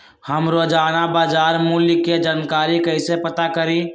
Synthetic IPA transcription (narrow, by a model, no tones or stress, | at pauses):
həmɾod͡ʒanabad͡ʒaːɾmulkːed͡ʒaːnkaːɾikəɪsepət̪akəɾi